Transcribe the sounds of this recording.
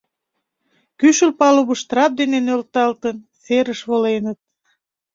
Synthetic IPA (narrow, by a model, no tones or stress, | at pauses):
kyʃəlpɑluβəʃt̪əɾɑp̚d̪enenølt̪ɑlt̪ən | seɾəʃβolenət̪̚